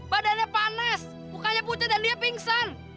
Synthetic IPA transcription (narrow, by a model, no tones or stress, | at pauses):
badanɲapanas | bukaɲaput̪ɪdandiapiŋsan